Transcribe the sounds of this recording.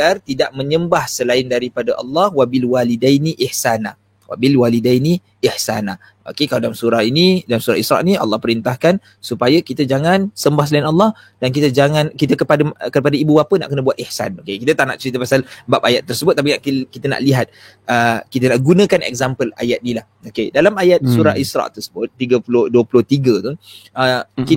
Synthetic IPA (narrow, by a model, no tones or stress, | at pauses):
art̪idaʔ̚mə̃ɲəmbahsəlaɪndaɾipadaʔɑ̰lːɑhwabilwalidajniʔiħsana | wa̰bilwalidajni | ihsa̰na | o̰kekaladalamsuɾahinidamsuɾa̰isɾa̰ʔniɑ̰lːɑhpəɾint̪ahkan | supajakit̪əd͡ʒaŋãnsəmbahs̬əlaɪnɑlːɑh | d̥ankit̪əd͡ʒaŋankit̪̬əkəpadakəpadaibubapəna̰ʔkənəbuat̪ihsa̰nokekit̪ət̪ana̰ʔt͡ʃəɾit̪əpasalbap̚ajat̪ːərsəbʊt̪̚ːapinaʔkkit̪əna̰ʔliɦat̪̚ | əkit̪ənaʔɡunə̃kanɛ̰k̚zampəla̰jat̪̚nilahokedalamajat̪̚suɾa̰ʔisɾa̰ʔt̪ərsəbʊt̪̚ːiɡəpulʊhduəpulʊht̪iɡət̪uəki